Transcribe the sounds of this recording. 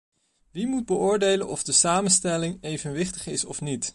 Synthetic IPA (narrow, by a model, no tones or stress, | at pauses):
ʋimud̚bəʊːɹdejlənʔɔvdəsaːmənstɛlɪŋejvənʋɪχtəχɪsɔfnit